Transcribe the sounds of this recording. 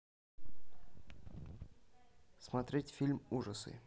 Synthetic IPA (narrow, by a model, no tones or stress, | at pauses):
smɐt̪ɾʲetʲfʲilʲmuʐəsɨ̰